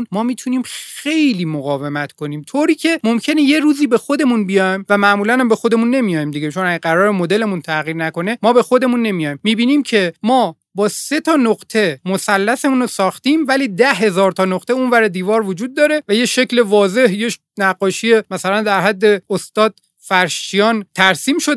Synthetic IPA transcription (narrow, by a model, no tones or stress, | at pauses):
nmɒːmiːt̪ʰuniːmxe̞jliːmoɣɒːve̞mæt̪ʰkʰo̞niːmt̪ʰoɾiːcʰe̞momcʰe̞neje̞ɾuːziːbexo̞d̪e̞munbijɒjmvæmæʔmuːlænæmbe̞xo̞d̪e̞munːe̞mijɒːjimd̪iɡet͡ʃʰonæɡæɡæɾɒːɾemo̞d̪e̞le̞munt̪ʰæɣiːɾnæko̞ne̞mɒːbe̞xo̞d̪e̞munːe̞mijɒːjmːiːbiːniːmcʰe̞mɒː | bɒːse̞t̪ʰɒːnoɢt̪ʰe̞mosælːæse̞muːnosɒːxt̪iːmvæliːd̪æɦe̞zɒːɾt̪ʰɒːnoqt̪ʰe̞unvæɾed̪iːvɒːɾvo̞d͡ʒuːd̪̚ːɒːɾe̞væjeʃe̞cle̞vɒːze̞hje | næɡɢːɒːʃie̞mæsælænd̪æɾɦæd̪ːe̞ost̪ɒːd̪̥̚ | fæɾʃt͡ʃijɒːnt̪ʰæɾsiːmʃo